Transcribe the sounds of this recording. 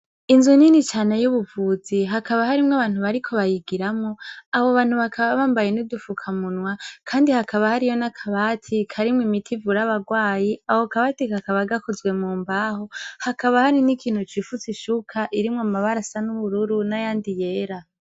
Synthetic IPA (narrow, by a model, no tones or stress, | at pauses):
inzuninit͡ʃaːnejuβuvuːziɦakʰaβahaɾimŋaβaːn̥huβaɾikʰo̞βajiɡiɾamŋoaβoβaːn̥huβakʰaβaβaːmbajenudufukʰamunwakʰaːndihakʰaβahaɾijonakʰaβatʰikʰaɾimwimitʰivuɾaβaɡwaːjiahokaβatekakaβaɡakozwe̞muːmbaːhohakaβahaɾinikʰiːn̥hut͡ʃifut͡siʃukʰaʔiɾimŋamaβaɾasanuβuɾuɾunajaːndije̞ːɾa